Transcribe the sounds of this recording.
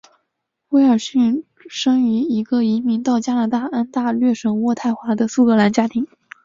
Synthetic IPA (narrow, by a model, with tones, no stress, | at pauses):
we˧˥ɪə˞˨˩ɕy˥˩n | ʂɤ˥ŋy˧˥i˧˥ɡə˧i˧˥mi˧˥ŋt̪ɑ˥˩ʊt͡ɕja˥na˧˥t̪a˥˩a˥nt̪a˥˧lɥɛ˥˩ʂɤ˨˩ŋwɔ˥˧t̪ʰa˥˩ɪxwa˧˥d̪ə˧su˥˩k̪ɤ˧˥la˧˥nt͡ɕja˥t̪ʰi˧˥ŋ